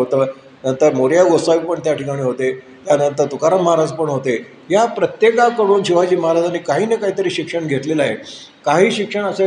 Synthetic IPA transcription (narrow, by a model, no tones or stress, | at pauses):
ɦot̪əː | nənt̪əɾmoɾjaɡost̪aʋipəɳt̪jaʈikaɽ̃iːɦot̪e | t̪janənt̪əɾt̪ukaɾəmːəɦaɾad͡zpəɳɦot̪e | ɦjapɾət̪jekakəɽuːnɕiʋad͡ʑiːməɦaɾad͡zanikaɦiːnekaɦiːt̪əɾiːɕikʂəɳɡʱet̪lelaɦe | kaɦiːɕikʂəɳəsə